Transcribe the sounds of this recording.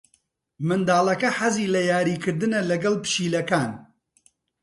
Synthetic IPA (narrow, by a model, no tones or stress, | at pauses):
mɨnd̪aːlˠɐkɐħɐziːlɐjaːɾiːkɨɾd̪ɨnɐlɐɡɐlpɨ̥ʃiːlɐkaːn